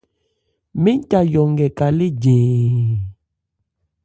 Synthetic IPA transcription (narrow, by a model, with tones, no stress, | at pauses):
mi˦n˦ta˨jɔ˨ŋɡɛ˨ka˨li˦d͡ʒeː˨